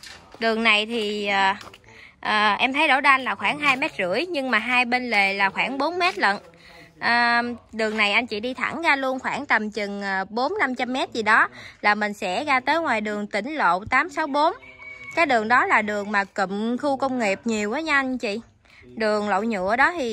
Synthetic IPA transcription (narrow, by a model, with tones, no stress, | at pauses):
ɗɨ˨˩əŋna˨˩jt̪ʰi˨˩əː˨˩ | ʔəː˨˩ʔɛ˧mt̪ʰə˨˦jɗo̰˧˩˦ɗʔa˧nlaː˨˩xwaː˧˩ŋɦaː˧jmɛ˦˥t̚zɨ̰˧˥əjɲɨ˧ŋmaː˨˩ɦaː˧jɓe˧nle˨˩laː˨˩xwaː˧˩ŋɓo˨˦nmɛ˦˥t̚lə̰˧˨n | ʔəː˨˩ɗɨ˨˩əŋna˨˩jʔa˧jŋ̟t͡ɕḭ˧˨ɗi˧t̪ʰa̰˧˩ŋɣaː˧lu˧ənxwaː˧˩ŋt̪ə˨˩mt͡ɕɨ˨˩ŋəː˨˩ɓo˨˦nna˧mt͡ɕa˧mːɛ˦˥t̚zi˨˩ɗɔ˨˦laː˨˩mï˨˩ŋ̟sɛ̰˧˥ɣaː˧t̪əː˨˦jŋwaː˨˩jɗɨ˨˩əŋt̪ï˧˩ŋ̟lo̰˧˨wt̪aː˨˦msa˨˦wɓo˨˦nkaː˨˦jɗɨ˨˩əŋɗɔ˨˦laː˨˩ɗɨ˨˩əŋmaː˨˩kə˧˨mxu˧kə˧wŋ͡mŋi˨˩p̚ɲi˨˩əwʔaː˨˦ɲ˧ʔa˧ŋt͡ɕḭ˧˨ | ɗɨ˨˩əŋlo̰˧˨wɲṵ˧˨əɗɔ˨˦t̪ʰi˨˩